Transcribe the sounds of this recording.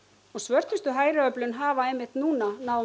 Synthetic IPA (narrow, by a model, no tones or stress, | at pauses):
ɔɣsvœr̥t̪ʏst̪ʏɦaːjɾɪœplʏnɦaːvaɛmːɪht̪nuːnanaːw